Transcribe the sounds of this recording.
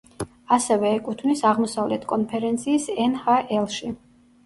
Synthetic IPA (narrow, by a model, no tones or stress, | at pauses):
asɛvɛːkʼut̪ʰvnisaʁmɔsavlɛt̪ʰkʼɔnpʰɛɾɛnt̪sʰiːsɛnhaʔɛlˠʃi